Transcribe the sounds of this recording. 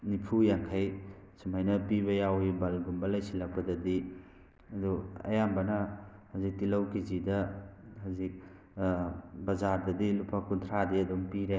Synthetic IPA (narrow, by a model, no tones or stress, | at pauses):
nipʰujaŋkʰajsumajnɐpiβɐjawibalɡumbɐlɐjsilɐk̚pɐdɐdi | ɐduɐ̰jambɐnɐhazik̚tilɐwkizidɐɦazik̚ | bɐzaɾdɐdilupʰakuntʰɾadiɐduŋpiɾe